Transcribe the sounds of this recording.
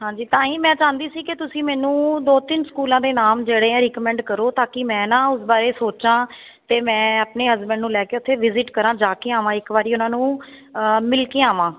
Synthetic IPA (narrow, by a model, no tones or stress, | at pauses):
ɦãːɲd͡ʒiːt̪ãːĩːmɛ̃ːt͡ʃãːnd̪iːsiːkɪt̪ʊsĩːmɛ̃ːnũːd̪oːt̪ɪnskuːlãːd̪eːnaːmd͡ʒeːɽeːɛ̃ːɾiːkmɛ̃ːɳɖkəɾoːt̪aːkɪmɛ̃ːnãːʊsbaːɾeːsoːt͡ʃãː | t̪eːmɛ̃ːaːpneːɦəzbəɳɖnũːlɛːkeːʊt̪ʰːeːʋɪzɪʈkəɾãːd͡ʒaːkeːaːʋãːɪkbaːɾiːʊnãːnũː | mɪlkeːaːʋãː